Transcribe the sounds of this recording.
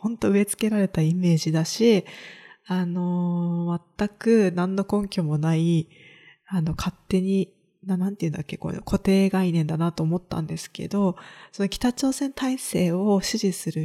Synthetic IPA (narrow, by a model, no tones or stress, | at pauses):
hõ̞nt̪o̞ɯ̟e̞t͡sɨ̥ke̞ɾaɾe̞t̪aime̞ːʑid̪aɕi | ano̞mat̪ːakɯ̟nãnːo̞kõ̞ŋkʲo̞mo̞nai | ano̞kʰat̪ːe̞ɲ̟i | nanãnt̪eiɯ̟nd̪akʲːe̞ko̰okʰo̞t̪e̞ːɡainẽ̞nd̪anat̪oːmo̞t̪ːã̰nd̪e̞sɨ̥ke̞̰d̪o̞sono̞kʲi̥t̪at͡ɕo̞ːsẽ̞nt̪aise̞ːo̞ɕɨʑisɨɾɯ̟